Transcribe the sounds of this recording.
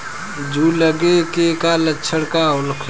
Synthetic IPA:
d͡ʒʱuləɡekekalətːt͡ʃʰəɽkaoləkʰ

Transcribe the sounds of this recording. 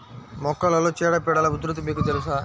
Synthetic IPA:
mɔkːɐlɐloːt͡ʃɛːɽɐpɛɽɐlɐud̪ɾut̪ibikut̪elusa

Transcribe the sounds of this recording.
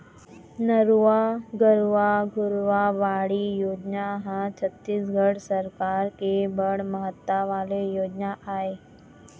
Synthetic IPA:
nəɾʋaɡəɾʋaɡʱuɾʋaʋaɽiːjod͡ʑnaɦãt͡ɕʰət̪ːiːsɡʱəɽsəɾkaɾkebəɽməɦət̪ːaʋalejod͡ʑnaʔae

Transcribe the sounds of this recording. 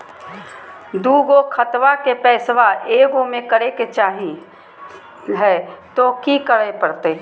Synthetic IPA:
d̪uːɡokʰət̪ʋakepɛːsʋaʔeːɡomẽkəɾeket͡ʃaːɦi | ɦɛːt̪okikəɽepəɾt̪e

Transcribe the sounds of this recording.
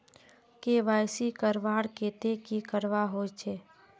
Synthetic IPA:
keʋajsikəɾʋaːɽket̪ekikəɾʋaɦot͡ʃʰeː

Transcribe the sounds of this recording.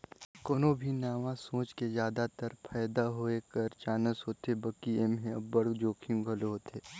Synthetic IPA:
konoːbʱinaːʋãsõːt͡ʃkezjaːd̪at̪əɾpʰɛːd̪aɦoekɐɾt͡ʃaːnəsɦoːt̪ebɐkieːmɦẽɐbɐɽd͡ʒoːkʰijũɡʱɐloɦot̪ʰeː

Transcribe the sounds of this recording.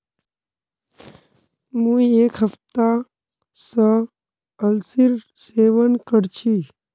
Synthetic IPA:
mũːekɦəft̪a | sə | əlsiɾ | seːʋənkəɽt͡ʃʰi

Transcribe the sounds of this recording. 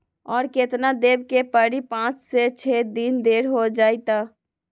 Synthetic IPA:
ɔːɾket̪nad̪eːbkepəɽipãːt͡ʃset͡ʃʰeːd̪ind̪eːɾɦod͡ʒaːit̪aː

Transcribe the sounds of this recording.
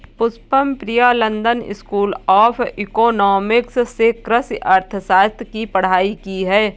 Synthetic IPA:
pʊspəmpɾijaːlə̃nd̪ənɪ̰skuːlɔːpʰɪkoːnɔːmɪkssekɾəsʔɐɾt̪ʰəsaːt̪kipɐɽ̤aːikiɦɛː

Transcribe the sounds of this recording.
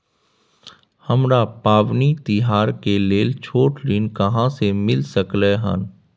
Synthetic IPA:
hɐmɾapaːʋnit̪ɪɦaːɾkeleːlt͡ʃʰoːʈlɪnkəɦãsemɪlsəkleɦə̰n

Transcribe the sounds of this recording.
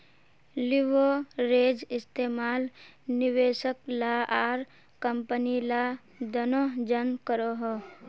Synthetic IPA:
lɪʋoɾeːd͡ʒɪst̪eːmaːlnɪʋeːʃəklaaːɾ | kəmpənila | d̪ənod͡ʒənkəɾoɦoː

